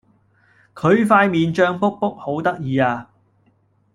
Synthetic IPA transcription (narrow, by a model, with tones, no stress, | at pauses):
kʰɵ˨˧ɥfaː˧jmiː˨nt͡ʃœː˧ŋpʊ˥k̚pʊ˥k̚ho˨˥wt̪ɐ˥k̚jiː˨˧aː˧